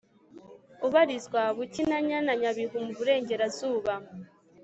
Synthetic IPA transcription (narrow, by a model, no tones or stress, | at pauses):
uβaɾiswaβucinaɲanaɲaβiɦumuβuɾe̞ːɲɟe̞ɾazuːβa